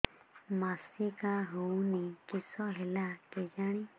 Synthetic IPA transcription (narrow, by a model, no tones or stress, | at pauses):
masikaɦuwnikisɔɦɛlaked͡ʒaɽ̃i